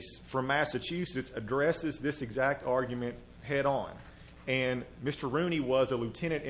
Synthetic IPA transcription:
sfɹʌ̃mːæsɨt͡ʃʰʉsɨtsɨdɹɛsɨzðɪsɨɡzæk̚tʰɑɹɡjmɨ̃nt̚ | hɛɾn̩ | ɨ̃nmɪstə˞ɹʉ̃ñiwʌzəlʉtʰɛɾ̃ɨ̃ntɪ̃

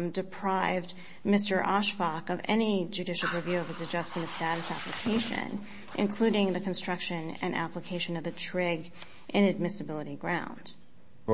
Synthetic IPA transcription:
mdɨpʰɹ̥aɪvd | mɪstə˞ʔɑʃfɑkʌvɛ̰nid͡ʒʉɾɪʃl̩ˠɹivjʉʌvɨzɨd͡ʒʌsmɨ̃ñʌv̥stæɾɨsæ̰pləkʰeɪʃɨ̰̃n | ʔɨ̰̃nkʰl̥ʉɾɪ̃ŋðɨkʰn̩stɹ̥ʌkʃɨ̃nɨ̰̃nʔæ̰pləkʰeɪʃɨ̃nʌvðɨtʰɹ̥ɪɡ | ʔɪ̃nɨd̚mɪsɨbɪlˠəɾiɡɹãʊ̃nd̥

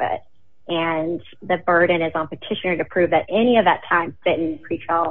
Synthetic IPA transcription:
ɨ̰t̚ | ʔɨ̃n | ðɨbɜ˞dⁿn̩ɨzn̩pətʰɪʃɨ̃nə˞ɾɨpʰɹ̥ʉvðɨɾʔɛñiʌvðɨtʰãɪ̃mfɪɾɪ̃nkʰɹ̥it͡ʃʰɹəlˠ

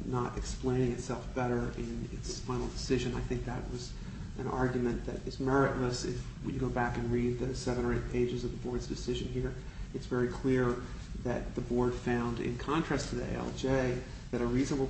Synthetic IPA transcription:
nəɾʔɨ̰ksplẽɪ̃ñɪ̃ŋɨtsɛlˠfb̥ɛɾə˞ʔɪ̃nɪ̰tsfaɪ̃nl̩ˠdɨsɪʒɨ̃naɪθɪ̃ŋk̚ðɨ̰ʔ̚wʌz | ʔɨ̃nɑ̰ɹɡjɨmɨ̃nðɨ̰ɾɨzmɛɹɨʔləsɪ̰fjɨɡoʊbækɨ̃nɹid̪̚ðɨsɛvɨ̃ñə˞eɪt̚pʰeɪd͡ʒɨzʌvðəbɔɹdzdɨsɪʒɨ̃nhiɹ | ɨtsvɛɹikʰl̥ɪɹ | ðɨ̰t̪̚ðɨbɔɹd̥fãʊ̃ndɪ̰̃nkʰɑ̃ntʰɹ̥æstʰɨðḭɛ̰lˠd͡ʒeɪ | ðɨɾɨɹiznəbl̩ˠ

